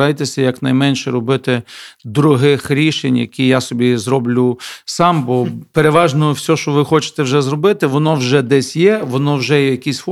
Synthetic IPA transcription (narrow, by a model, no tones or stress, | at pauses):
ɑjt̪esʲɐjɐknɐjmɛnʃɛɾɔbɪt̪ɪd̪ɾʊɦɪxɾʲiʃenʲjɐ̰kʲʰijasɔbʲizɾɔblʲʊsɑmbɔpeɾeʋɑʒnɔjʊwsʲɔʃt͡ʃɔʋɪxɔt͡ʃɪ̥t̪ɛwʒɛzrɔbɪt̪ɪʋɔnɔwʒɛd̪ɛsʲjɛʋɔnɔwʒɛjɛjɐkʲisʲfɔ